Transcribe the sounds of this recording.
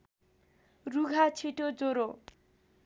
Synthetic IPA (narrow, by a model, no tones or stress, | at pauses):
ruɡʱat͡sʰiʈod͡zoɾo